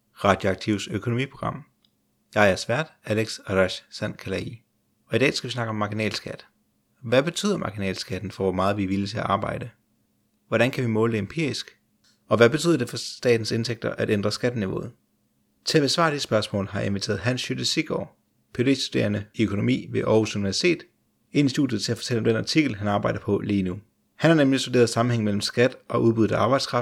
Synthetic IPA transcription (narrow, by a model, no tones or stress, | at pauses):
ʁɑ̈d̥jo̝ɑ̈ɡ̥̚t͡sʰiʊ̰søkʰo̝nomḭːpʰʁo̝̥ʁɑ̈m̰ | jɑ̈ɪæɐsʋæɐ̰d̥æleɡ̥sɑlæɕsæn̰kʰælæi | ɒ̽idɛ̰ːsɡ̥æʋisnɑ̈ɡ̥əɒ̽mːɑ̈ɡ̥inɛ̰ːlsɡ̥æd̥ | ʋæb̥e̝t͡sʰy̰ːð̰ˠɐmʔɑ̈ɡ̥inɛ̰ːlsɡ̥æd̥n̩fɒ̽ʋɒmɑːð̞̩ˠʋiʋilət͡sʰe̝æʔɑ̈ːb̥ɑ̈ɪ̰d̥ə | ʋɒɾænkʰæʋimɔ̽ːləd̥e̝empʰiɐ̰isɡ̥ | ɒ̽ʋæbe̝y̰ðˠɐd̥e̝fɒ̽d̥ɛ̰ːd̥n̩se̝nt͡sʰeɡ̥̚d̥ɐʔæɾ̥end̥ʁɐsɡ̥æd̥niʋo̝̰ːð̩ˠ | t͡sʰe̝æb̥esʋɑ̰̈ːd̥esəsb̥ɶɐsmɔ̰̽ːlɦɑ̈ʔe̝nʋit͡sʰe̝̰ːɐð̩ˠɦænsɕyd̥əsiɡ̥ɒ | pʰe̝de̝̰sd̥ud̥e̝̰ːɐnəøkʰo̝no̝mḭːʋe̝ʔɒusuniʋæɐsi̥t͡sʰe̝̰ːd̥ | e̝nisd̥ṵːd̥jð̞̩ˠt͡sʰe̝æfɒ̥̽t͡sʰel̰ɒ̽md̥enɑ̈t͡sʰiɡ̥l̩ɦænɑ̈ːb̥ɑ̈ɪ̰d̥ɐpʰɒ̽liːnu | hænhɑ̈nemlisd̥ud̥e̝ːɐð̞̩ˠsɑ̈m̩eŋmel̰m̩sɡ̥æd̥ʔɒ̽ʔuð̞ˠb̥uð̩ˠæɑ̈ːb̥ɑ̈ɪd̥skʰʁɑ̈f